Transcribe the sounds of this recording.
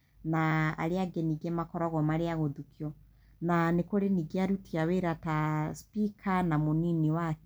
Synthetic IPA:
naa̰ɾeaɡeniɡemakɔɾɔɣɔmaɾeaɣoðukiɔ | nanekoɾeniɡeaɾutiaweɾataspikʰanamoniniwak

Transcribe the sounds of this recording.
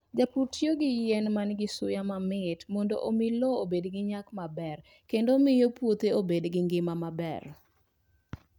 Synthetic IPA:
d͡ʒaputjoɡɪjɛnmanɡɪsʊjamamɪtmɔndo̰ʔomɪlɔobedɡɪɲakmabɛr | kendomɪjopwot̪eobedɡɪŋɡɪmamabɛ̰r

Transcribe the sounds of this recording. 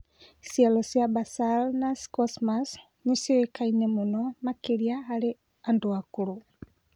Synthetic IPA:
sialɔsjabasalnaskɔsmas | nisiwekainɛmonɔmakeɾiaale | andoakuɾu

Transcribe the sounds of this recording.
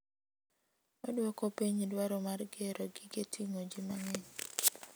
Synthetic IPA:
ɔdwɔkɔpiɲdwaɾɔmarɡɛɾɔɡɪɡetʰiŋod͡ʒimaŋɛɲ

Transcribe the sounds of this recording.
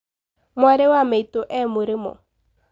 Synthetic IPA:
mwaɾɛwameitoʔɛmʊɾɪmɔ̰

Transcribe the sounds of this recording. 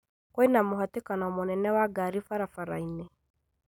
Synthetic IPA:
kwɔinamoɦatekanɔmonɛnɛwaɡaɾifaɾafaɾaine

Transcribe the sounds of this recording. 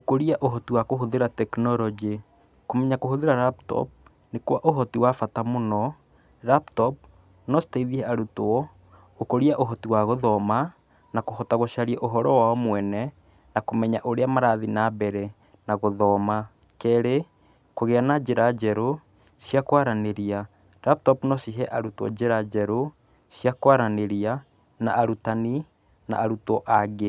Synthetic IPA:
okoɾiaʔoɦɔtiwakoɦoðeɾatɛknɔɾɔd͡ʒe | komɛɲakoɦoðeɾaɾaptɔ̰p̚ | nekwaʔoɦɔtiwafatamonɔ | ɾaptɔp̚ | nɔstaiðiɛaɾutoɔ | okoɾiaʔoɦɔtiwaɣoðɔma | nakohɔtaɣoʃaɾiɛʔoɦɔɾɔwaɔmwɛnɛ | nakomɛɲaʔoɾeamaɾaðinabɛɾɛ | naɣoðɔma | kɛɾe | koɣeanad͡ʒeɾad͡ʒɛɾo | sjakwaɾaneɾia | ɾap̚tɔpnɔsiɦɛʔaɾutɔ̰d͡ʒeɾad͡ʒɛɾo | sjakwaɾaneɾia | na̰ʔːɾutani | na̰aɾutɔʔaɡe

